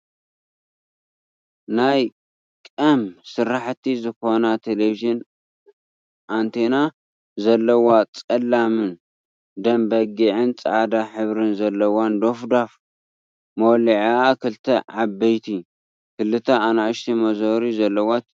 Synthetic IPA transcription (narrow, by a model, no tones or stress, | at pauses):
naj | kʼɐmsɨɾːaħt̪ʰizɨxo̞nat̪ʰeleviʒɨn | ʔant̪ʰena | zɐlːɐwat͡sʼɐlːamɨn | d̪ɐmbɐɡiʕɨnt͡sʼɐ̰ʕad̪aħɨβɾɨnzɐlːɐwand̪o̞fd̪af | mowliʕiakʰɨlt̪ʰɐʕabːɐjt̪ʰi | kɨlːɨt̪ʰɐanaʔɨʃt̪ʰimɐzoɾizɐlːɐwat̪